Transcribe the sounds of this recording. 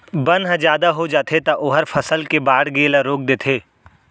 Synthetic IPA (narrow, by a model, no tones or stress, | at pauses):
bɐnɦəd͡ʒjaːd̪aɦod͡ʒaːt̪ʰet̪ɐʔʊːɦəɾfʰɐsəlkebaːɽɡeːlaɾoːk̚d̪eːt̪ʰeː